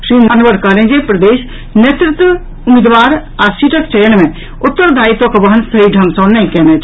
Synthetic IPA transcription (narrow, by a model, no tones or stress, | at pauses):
ʃɾiːnanʋəɾkɐɦlẽɦd͡ʒepɾɐd̪eːʃ | net̪ɾɪt̪ʋə | ʊmid̪ʋaːɾ | aːsiʈʰəkt͡ʃejəñmẽ | ʊt̪ːəɾd̪ʱaːit̪õkbɐɦənsɐiɖʱɐ̃ŋɡsɔːneĩkɛːnet͡ʃʰ